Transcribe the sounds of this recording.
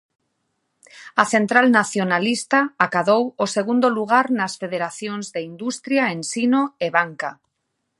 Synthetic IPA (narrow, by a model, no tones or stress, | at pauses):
aθent̪ɾalnaθjonalist̪aakaðowoseɣund̪oluɣ̞aɾnasfeðeɾaθjoŋzðeind̪ust̪ɾjaensinoeβaŋka